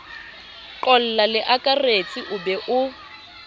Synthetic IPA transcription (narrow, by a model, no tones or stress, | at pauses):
ǃɔl̩lalɪʔakʼaret͡sʼiʔʊbɛʔʊ